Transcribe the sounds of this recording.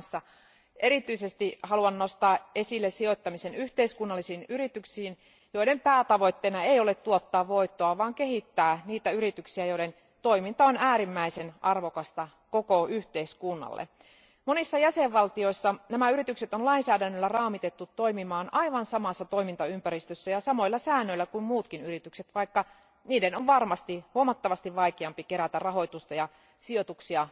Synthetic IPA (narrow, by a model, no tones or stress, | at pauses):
nsːɑ | eɾit̪yisest̪ihɑluɑnːost̪ɑːʔesilːessiot̪ːɑmise̞nyht̪eiskunːɑlːisiːnyɾit̪yksiːn | joiɾe̞mpæːt̪ɑʋo̞t̪ːeinɑeijolet̪t̪uot̪ːɑːʋʋo̞ijt̪ːoɑʋɑːŋkeɦit̪ːæːniːt̪æyɾit̪yksiæjoiɾe̞n | t̪oimint̪ɑonæːɾimːæisenʔɑrʋokɑst̪ɑ | kokoyht̪eiskunːɑ̰lːḛ | monisːɑjæseʋʋɑlt̪io̞isːɑnæmæyɾit̪ykset̪onlɑinsæːdænːølːærɑːmit̪et̪ːut̪ːoimimɑːnʔɑiʋɑnsɑmɑsːɑt̪o̞imint̪ɑympæɾist̪øsːæjɑsɑmo̞ilːɑsæːnːøilːækummuːt̪kinyɾit̪ykset̪ʋɑikːɑ | niːdenoʋʋɑrmɑst̪ihuomɑt̪ːɑʋɑst̪iʋʋɑikeɑmpikeɾæt̪ærɑɦo̞jt̪ust̪ɑjɑ | siot̪uksiɑ